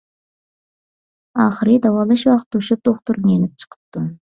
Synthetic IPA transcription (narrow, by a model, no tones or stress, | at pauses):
ɑːχəɾɨd̪ɑwɑlˠɑʃwɑqt̪ːuʃɪp̚t̪ʰoχt̪uɾnɨjenɪp̚t͡ʃʰə̥qʰə̥p̚t̪ɨ